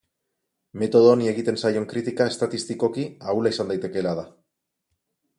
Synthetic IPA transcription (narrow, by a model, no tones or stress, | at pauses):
me̞t̪o̞ðonie̞ɣit̪e̞nsajo̞ŋkɾit̪ikae̞st̪at̪ist̪iko̞kiaulaisand̪ajt̪e̞ke̞lað̞a